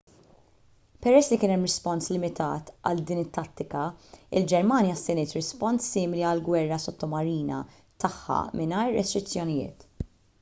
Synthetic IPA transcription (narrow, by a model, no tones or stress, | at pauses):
pɛɾɛsːlikɪːnɛmːɾɪspɔnslɪmɪt̪ɐ̰ːt̪ɐ̰ld̪iːnɪt̪ːɐt̪ːɪkɐɪ̰ld͡ʒɛɾmɐːnjɐsːɪnɪːt̪ɾɪspɔnsːɪːmɪliɐlɡwɛrːɐsɔt̪ːɔmɐɾiːnɐ̰ | t̪ɐħːɐ̰mɪnɐːɾːɛst̪ɾɪt͡sːjɔnɪjɪ̰ːt̪